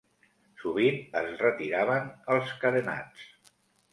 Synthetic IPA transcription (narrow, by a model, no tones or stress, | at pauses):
suβ̞inə̰zrət̪iɾaβənəlˠskəðəna̰t͡s